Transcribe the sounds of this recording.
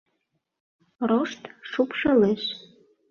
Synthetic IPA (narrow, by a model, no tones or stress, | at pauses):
roʃt̪ʃupʃɤleʃ